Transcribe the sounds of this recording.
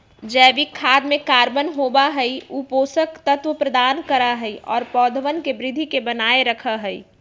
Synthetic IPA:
d͡ʒɛːʋikʰːaːd̪mẽkaːɾbənɦobaɦəiuːpoːsəkt̪ət̪ʋəpɾəd̪aːnkəɾaɦəiʔɔːɾpɔːd̪ʱʋənkebɾɪd̪ʱːikebənaːeɾəkʰəɦəi

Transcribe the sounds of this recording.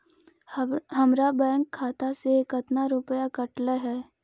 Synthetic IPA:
ɦɐmɾabɛ̃ːŋkʰːaːt̪asekət̪naɾʊpəjakəʈləɦɛː

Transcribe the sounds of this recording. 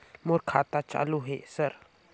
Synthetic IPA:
mʊɾkʰaːt̪at͡ʃa̰ːluɦeːsəɾ

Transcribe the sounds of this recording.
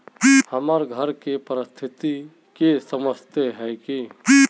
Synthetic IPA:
həməɾɡʱəɾkepəɾɪst̪ʰɪt̪i | kesəməst̪eɦɛki

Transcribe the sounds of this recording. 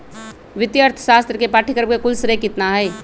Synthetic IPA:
ʋɪt̪jəɾt̪ʰə̥ʃaːst̪ɾəkepaːʈʰikəɾb̚kekʊlsɾekɪt̪naɦɛː

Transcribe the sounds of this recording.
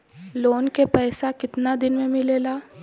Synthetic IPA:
loːnkepɛːsakɪt̪nad̪ɪnmẽmɪleːlaː

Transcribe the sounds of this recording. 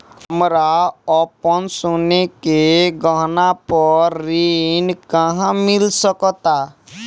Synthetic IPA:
ɦəmɾaɔpənsonekeɡəɦnapəɾːinkəɦãmilsəkt̪a

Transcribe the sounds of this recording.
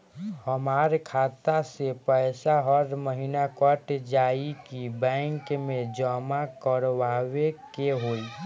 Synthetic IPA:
həmaɾkʰat̪asepəjsaɦəɾməɦinakəʈd͡ʒaikibɛ̃ŋkmẽd͡ʒəmakəɾʋawekeɦol

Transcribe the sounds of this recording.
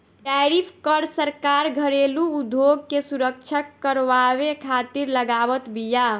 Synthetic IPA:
ʈɛɾipʰkəɾsəɾkaɾɡʱəɾeluːd̪ʱjoɡkesuɾək̚t͡ʃʰəkːəɾʋaβekʰat̪iɾləɡaβət̪bija

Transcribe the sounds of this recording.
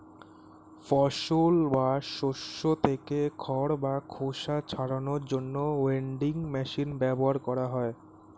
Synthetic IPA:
fɔʃolbaʃoʃot̪ʰekekʰɔɾbakʰoʃat͡ɕʰaɾanoɾd͡ʑonːoeɳɖiŋmɛʃinbɛboɦaɾkɔɾaɦɔe

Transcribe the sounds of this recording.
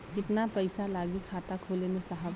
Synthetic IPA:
kɪt̪napɐɪsalaːɡikʰaːt̪akʰoːlemẽsaɦəb

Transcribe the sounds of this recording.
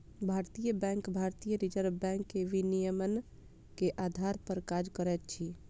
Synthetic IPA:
bʱaɾt̪ijəbɛ̃ŋkbʱaɾt̪ijəɾid͡ʒəɾbɛ̃ŋkːeʋinijəmən | keʔad̪ʱaɾpəɾkad͡ʒkəɾɛt̪̚t͡ʃʰi

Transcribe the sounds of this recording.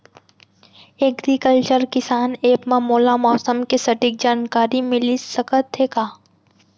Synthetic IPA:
eːɡɾikəlt͡ʃəɾkɪsaːneːpmɐmoːlamɔːsəmkisɐʈɪk̚d͡ʒaːnkaːɾimɪlisɐkət̪ʰːeːkaː

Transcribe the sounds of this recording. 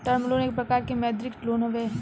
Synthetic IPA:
t̪ɐɾmloːneːk̚pɾɐkaːɾkemɛːd̪ɾɪkʈloːnɦoʋe

